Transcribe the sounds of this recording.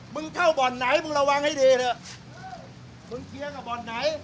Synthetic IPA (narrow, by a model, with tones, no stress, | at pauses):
mɯ˧ŋkʰa˥˩wbɔː˨˩nːa˨˦˥jmɯ˧ŋɾa˧wa˧ŋha˥˩jdiː˧ɾɯ˧˩ | mɯ˧ŋk̪ʰi˧əka˨˩bɔː˨˩nːa˨˩˦j